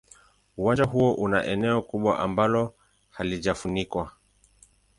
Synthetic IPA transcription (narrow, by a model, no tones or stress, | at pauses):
uwand͡ʒaɦuɔʔuna̰ʔɛnɛɔkuɓwa̰ʔambalɔ | haliʄafunikwa